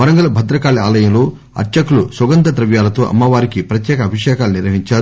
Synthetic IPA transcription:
ɐɾɐŋɡɐlɐbʱɐd̪ɾɐkaːliaːlɐjɐmlo̞ː | ɐ̰ɾʈt͡ʃɐkulusɐɡɐnt̪ɐt̪ɾɐʋjaːlɐt̪oːʔɐ̰mːɐʋaːɾikipɾɐt̪jɛːkɐːbʱiʂɛːkaːluniɾʋɐɦiɲt͡ʃaːɾu

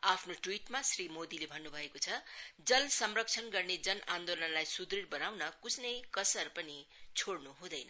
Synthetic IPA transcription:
apʰnoʈwiʈmasrimod̪ilebʱʌnːubʱʌekot͡sʰʌd͡zʌlsʌmrʌk̚t͡sʰʌnɡʌrned͡zʌnand̪olʌnlajsud̪riɾbʌnawnʌkusnʌjkʌsʌrpʌnit͡sʰoɽnuɦũd̪ʌjnʌ

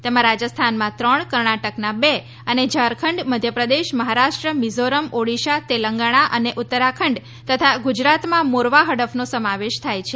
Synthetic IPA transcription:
t̪emãɾad͡ʒəst̪ʰanmãt̪ɾəɳkəɾɳaʈəknabe | əned͡ʒəɾkʰəɳɖməd̪ʱjəpɾəd̪eʃməɦaɾaʃʈɾəmizoɾəmoɽiʃat̪eləŋɡaɽ̃aʔəneʔut̪ːəɾakʰəɳɖ | t̪ət̪ʰaɡud͡ʒɾat̪mãmoɾʋaɦəɽəfnosəmaʋeʃt̪ʰajt͡ʃʰe

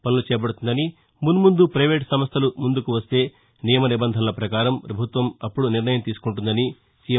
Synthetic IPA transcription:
pɐnlut͡ʃɛːbɐɽut̪und̪ɐni | munumund̪upɾɐjʋeːʈsɐmɐst̪ʰɐlumund̪ukuʋɐst̪e̞ː | nijɐmɐnibɐnd̪ʱɐnlɐpɾɐkaːɾɐmpɾɐbʱut̪ʋɐmɐpːuɽuniɾnɐjɐmt̪iːsu̥kuɳʈund̪ɐni | sij

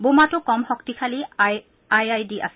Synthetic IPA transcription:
bomatʊkɔmxɔktikʰali | ajajdiʔa̰s

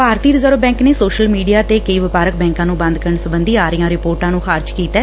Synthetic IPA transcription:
paːɾt̪iːɾəzəɾbɛ̃ːŋkneːsoːʃəlmiːɖijaːt̪eːkəiːʋɪpaːɾək̚bɛ̃ːŋkãːnũːbə̃nd̪kəɾəɳsʊbənd̪iːaːɾəjãːɾɪpoːɾʈãːnũːxʰaːɾd͡ʒkiːt̪ɛː

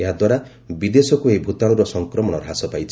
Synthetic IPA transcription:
eɦad̪waɾa | bid̪esɔkuejbʱut̪aɭ̃ɔɾɔsɔŋkɾɔmɔɽ̃ɔɾɦasɔpajt͡ʃʰi

